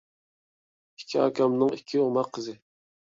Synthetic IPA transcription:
i̥kʲʰːiɑ̰ːkʰʲɑmnɨŋikʲʰːiomɑqʰːəzɪ

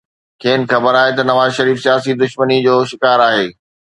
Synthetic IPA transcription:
kʰeːnɪ̆xɐbəɾaːɦet̪ɐnɐʋaːzʃɐɾiːfsijaːsid̪ʊʃmənid͡ʑoːʃɪkaːɾaːɦeː

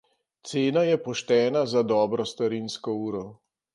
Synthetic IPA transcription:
t̪seːnajɛpɔʃt̪ɛːnazad̪ɔːbɾɔst̪aɾiːnskɔuːɾɔ

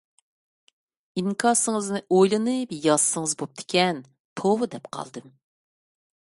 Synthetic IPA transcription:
iŋkʰɑsɨŋɨznɨʔojlˠɨnɨpjɑssɨŋɨzbop̚t̪ʰɪ̥kʲʰɛn | t̪ʰowɨd̪ɛpqʰɑ̰lˠd̪ɨm

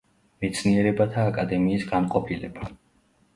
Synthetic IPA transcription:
mɛt̪sʰniɛɾɛbat̪ʰaːkʼad̪ɛmiːsɡamqʼɔpʰilɛba

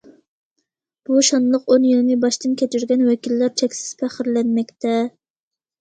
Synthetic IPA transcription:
b̥uʃɑnlˠəqonjilmɪbɑʃt̪ɨnkʲʰɛt͡ʃyɾɡʲɛnwɛkʲilːæɾt͡ʃʰɛkʲsɪ̥z̥pʰæχɪɾlɛnmɛkʲt̪ʰɛ

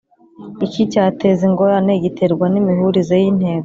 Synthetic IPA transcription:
icicaːte̞ziŋɡo̞ɾaneɟitʰe̞ɾɡwanimihuɾizejin̥he̞ːɡo

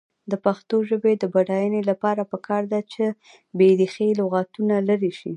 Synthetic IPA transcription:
d̪əpaxt̪oʒəbed̪əbaɖɑjənelapɑɾapəkʰɑɾd̪at͡ʃe | bed̪ixeloɣat̪unalaɾiʃi

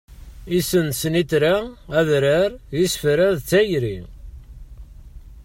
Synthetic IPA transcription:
isənsənit̪ɾaæðɾæɾjisfɾæðt͡sːæjɾi

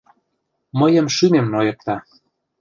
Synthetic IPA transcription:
məjə̆mʃymemnojɤ̆k̚t̪ɑ

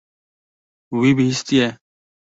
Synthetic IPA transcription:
wiːbʱiist̪iɛː

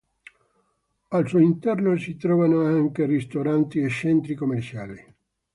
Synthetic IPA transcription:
alsuːint̪ɛrnosit̪ɾɔːvanoaŋkerist̪oɾant̪iet͡ʃːɛnt̪ɾikomːert͡ʃaːli

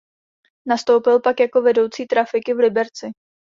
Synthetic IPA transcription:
nast̪o̞wpɪlpakjako̞vɛdo̞wt͡siːt̪ɾafɪkɪvlɪbɛɾt͡sɪ

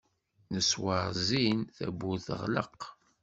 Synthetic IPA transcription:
nəswəɾzinθæ̰bːuθə̰ʁlə̰q

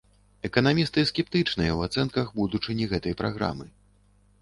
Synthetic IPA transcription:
ɛkɐnamʲist̪ɨskʲɛp̚t̪ɨt͡ʂnɨjɐwat̪sɛnkɐɣbud̪ut͡ʂɨnʲiɣɛt̪ɐjpɾa̰ɣɾa̰mɨ

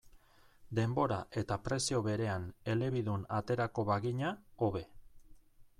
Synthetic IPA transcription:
d̪e̞mbo̞ɾaʔe̞t̪apɾe̞sio̞βe̞ɾe̞ane̞le̞βiðunat̪e̞ɾako̞βaɣiɲao̞βe̞

